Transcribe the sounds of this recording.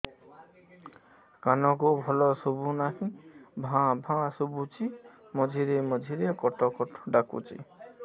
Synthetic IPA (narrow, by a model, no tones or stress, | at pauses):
kanɔkobʱɔlɔsobunaɦĩbʱãbʱãsobut͡ʃi | mɔd͡ʒʱiɾemɔd͡ʒʱiɾekɔʈɔkɔʈɔ̥ɖakṵt͡ʃḭ